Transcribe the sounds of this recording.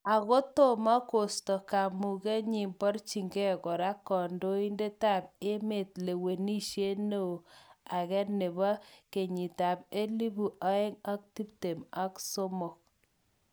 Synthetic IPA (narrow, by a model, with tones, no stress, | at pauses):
a˨ɣo˦to˦˨ma˦ko˨stɔ˨ka˨mu˨ɣe˦ɲi˨mbɔ˦ɾt͡ʃi˨ŋɡɛ˦kɔ˨ɾa˦kːɔ˨ndo˦i˦nde˦ta˦˨p̚e˦me˨tle˨we˨ni˦ʃje˦ne˦o˨a˨ɣɛ˦ne˨βa˦ke˨ɲi˨ta˨pe˦li˦bu˨ʔa˦e˦ŋa˦k̚ti˦pte˨ma˨kso˦mɔ˨k̚